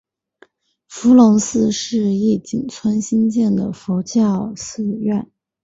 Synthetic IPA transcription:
fu˧˥lʊ˧˥ŋsɹ̩˥˧ʂɻ̩˥˧i˥˩t͡ɕi˨˩nt͡sʰwa˥nɕi˥nt͡ɕjɛ˥˩nd̪ə˩fo˧˥t͡ɕjɑ˥˧ʊsɹ̩˥˧ɥɛ˥˩n

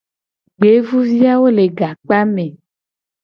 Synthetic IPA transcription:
ɡ͡be˨˦vu˦vi˦a˦wo˦le˨ɡa˨k͡pa˦mẽ˨

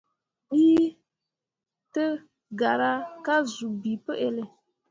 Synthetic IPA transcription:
ɓiː˦ | tə˦ | ɡa˨ɾa˦ka˦zu˨bi˨pə˦ʔe˦le˨

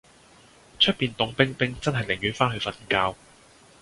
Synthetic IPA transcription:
t͡ʃʰɵ˥t̚piː˨nt̪ʊ˨˧ŋpɪ˥ŋpɪ˥ŋt͡sɐ˥nɦɐ˨˩jlɪ˨˩ŋjyː˨˥nfaː˥nhɵ˧ɥfɐ˨˧nkaː˧w

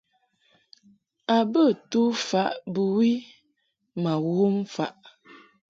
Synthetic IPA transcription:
a˨bə˦˨tu˦fa˨˦ʔbə˨wi˦ | ma˨wo˦m˦fa˨ʔ

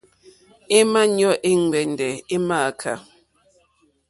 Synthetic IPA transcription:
e˦ma˦ɲɔ˦˨ʔe˦ŋ˨ɡ͡bɛ˨n˨dɛ˨e˦ma˦˨kʰa̰˨

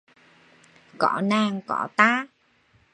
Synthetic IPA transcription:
kɔ̰˧˩naː˨˩ŋkɔ̰˧˩t̪aː˧˥

